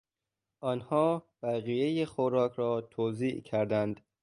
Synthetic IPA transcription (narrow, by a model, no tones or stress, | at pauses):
ʔɒːnhɒːb̥æɣijejexoɾɒːkʰɾɒːt̪ʰoːziːʔcʰæɾd̪ænd̪̥